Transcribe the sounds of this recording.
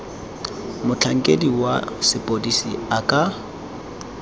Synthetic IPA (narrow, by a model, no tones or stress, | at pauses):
mʊt͡ɬʰaŋ̩kʼediwa̰sɪpʼodisiakʼa